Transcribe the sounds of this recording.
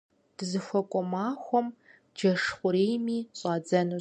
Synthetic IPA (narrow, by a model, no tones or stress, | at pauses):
d̥ɨzɨxʷɔkʷʼɔmaːxʷɔm | d͡ʒɐʂχʷʊɾeːjmiːɕʼɑːd͡zɐnu